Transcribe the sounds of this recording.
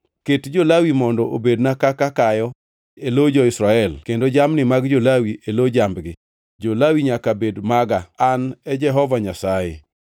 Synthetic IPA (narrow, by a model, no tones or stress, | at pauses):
ketd͡ʒolawimɔndɔʔobednakakakajɔ | elod͡ʒɔɪsɾaɛlkendod͡ʒamnɪmaɡd͡ʒolawiʔelod͡ʒambɡɪ | d͡ʒolawiɲakabedmaɡaːnɛd͡ʒɛɦɔvaɲasajḛ